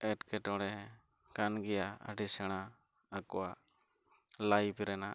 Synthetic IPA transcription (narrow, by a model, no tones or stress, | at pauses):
ɛʈkɛʈɔɽɛ | kanɡɛjaə̰ɖisɛɽ̃aː | kɔwa | lajpiɾɛna